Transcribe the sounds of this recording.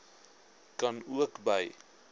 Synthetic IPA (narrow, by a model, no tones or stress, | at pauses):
kɐnuəkbəj